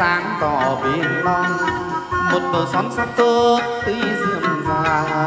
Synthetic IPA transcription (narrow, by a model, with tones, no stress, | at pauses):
aː˨˦ŋk̪ɔ˧˩ɓi˧˩˨ənlɔ˧ | mo˨˩t̚ɗ̪əː˨˩sɔ˨˦nsa˧˥k̚t̪ɨ˧əək̚t̪i˧˩zi˧˨ənzaː˧˩